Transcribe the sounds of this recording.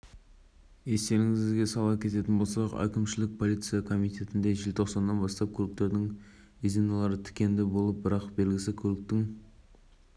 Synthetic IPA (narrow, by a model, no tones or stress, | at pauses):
e̞st̪e̞ɾɪŋɪzɡʲe̞sɑlˠɑpkʲʰe̞t̪e̞t̪ɪnbo̞lˠsɑqæ̰kʲɪmʃɪlɪk̚pʰo̞lˠijt̪sɨjɑkʰo̞mijt̪ʰʲe̞t̪ɪnd̪e̞ʒɪlt̪ʰo̞qsɑnːɑnbɑst̪ɑp̚kʲʰɵlɪk̚t̪e̞ɾd̪ɪŋ | izinɑlˠɑɾət̪ʰɪ̥kʲe̞nd̪ɪbo̞lˠəp̚bɪɾɑqbe̞lɡʲɪsɪkʲʰɵlɪk̚t̪ɪŋ